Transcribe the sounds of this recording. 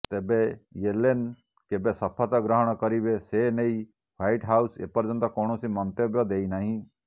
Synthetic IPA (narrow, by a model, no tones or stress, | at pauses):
t̪eːbejelen | kebesɐpʰat̪aɡɾəɦɔɽ̃kəɾibesenei | ʋaːiʈɦaːusḛpəɾd͡ʒənd̪akoːɳ̃osimɔnt̪ebjɔd̪eːinaːɦĩ